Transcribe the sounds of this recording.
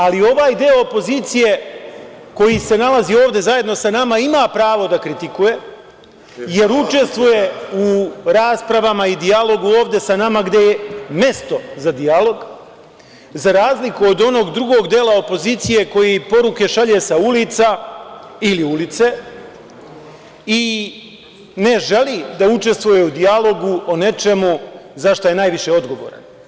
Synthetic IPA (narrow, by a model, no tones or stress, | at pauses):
alio̞ʋaːjd̪eoopo̞ziːt̪sije̞ | ko̞jise̞nalazioːʋd̪e̞zaje̞d̪nosanamaimaːpɾaːʋo̞d̪akɾit̪ikuje̞ | je̞ɾut͡ʃe̞st̪ʋuje̞uɾaːspɾaʋamaid̪ialˠo̞ɡuoːʋd̪e̞sanamaɡd̪e̞jeme̞st̪o̞zad̪ialo̞ɡ | zaɾaːzlikuod̪o̞no̞ːɡd̪ɾuɡo̞ɡd̪eːlˠao̞po̞ziːt̪sije̞ko̞jipo̞ɾuke̞ʃaʎe̞saulit̪sa | iliulit̪se̞ | i | ne̞ʒe̞liːd̪aut͡ʃe̞st̪ʋuje̞ud̪ialˠo̞ɡuo̞ne̞t͡ʃe̞muzaʃt̪oje̞naːjʋiʃe̞o̞d̪ɡo̞ʋo̞̰ːɾa̰n